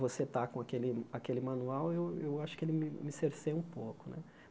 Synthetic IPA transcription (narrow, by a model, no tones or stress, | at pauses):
voset̪akõakelɪakelɪmɐ̃nuawewewaʃʊ̥kɪelɪmɪmɪseɾseũpokʊnʔɛ̰